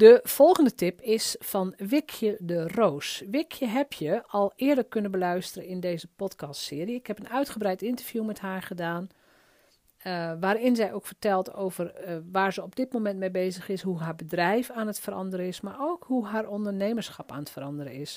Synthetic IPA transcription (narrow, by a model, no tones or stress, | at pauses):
dəv̥ɔlˠɣəndətɪpɪsfɔnʋɪkʰjədəroːsʋɪkʰjəɦɛpʰjəɔlˠɪːədəkønənbəlœɥstərəɪndeːzəpɔtkʰɑstsɪːəɾiəɪkhɛpənœɥtχəbɾɛjtɪntəɹvjumɛthaːɹɣədaːn | ʋaːɾɪnzɛjʔoːkfəɹtɛlˠtowvərʋaːɹzəɔb̚dɪt̚momɛntmejbejzəxɪsɦuɦaːɹbədrɛjfaːnətfəɾɑ̰ndəɾəɪsmaɹoːkhuɦaːɹɔndərneːməɹsxɑpa̰ːnətfəɾɑndərəɪs